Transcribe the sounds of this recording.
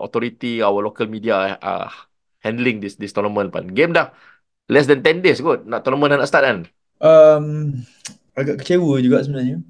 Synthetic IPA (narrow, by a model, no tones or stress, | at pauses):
ʔɔt̪ɔɾit̪iawəlokəlmidiaa̰ | hɛ̃ndəlĩŋdisdist̪ɔnəmə̃npa̰nɡemdah | lɛs̬dɛ̃nt̪ɛ̃ndesɡut̚naʔt̪ɔnəmə̃nanãʔst̪at̚an | ʔəm | aɡaʔkət͡ʃewəd͡ʒuɡaʔsəbənaɲə